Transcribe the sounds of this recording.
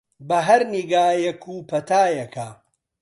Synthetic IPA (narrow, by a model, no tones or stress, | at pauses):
bɐɦɐɾniɡaːjɐkʰupʰɐt̪aːjɐkʰa